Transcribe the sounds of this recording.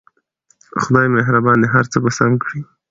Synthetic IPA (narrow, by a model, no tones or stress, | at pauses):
xʊd̪ɑjmeɦɾabɑnd̪eɦaɾt͡səbasamkɽi